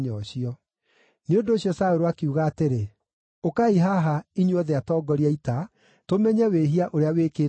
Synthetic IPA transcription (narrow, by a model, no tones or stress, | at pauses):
ɲɔɕiɔ | neondoːɕjɔsaoɾowakeuɣaːteɾe | okaiɦaɦaiɲwɔðɛatɔːɡɔɾiaita | tomɛɲɛweɦiaʔoɾeawekeː